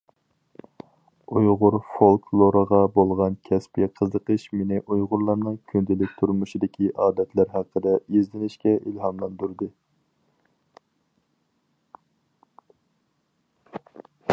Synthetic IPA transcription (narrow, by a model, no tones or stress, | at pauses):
ujʁʊɾfolˠkʰlˠoɾəʁɑbolˠʁɑnkʲʰɛspiɛqʰəzəqəʃmenɪʔujʁʊɾlˠɑɾnɨŋkʲʰynd̪ɪlɪk̚ʲt̪ʰuɾmuʃid̪ɪkʲʰiʔɑːd̪ɛt̪ʰlæɾɦæqʰːəd̪ɛizd̪ɪnɪʃkʲɛʔilɦɑmlˠɑnd̪uɾd̪ɨ